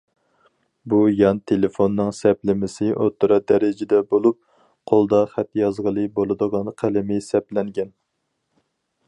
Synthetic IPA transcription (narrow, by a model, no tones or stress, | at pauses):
bujɑnt̪ʰelefonːɨŋsɛplɪmɪsɪʔot̪ʰːuɾɑd̪ɛɾɪd͡ʒɪd̪ɛbolˠup̚ | qʰolˠd̪ɑχæt̪jɑzʁəlˠɨbolˠɨd̪əʁɑnqʰælɪmɪsɛplɛŋɡʲɛn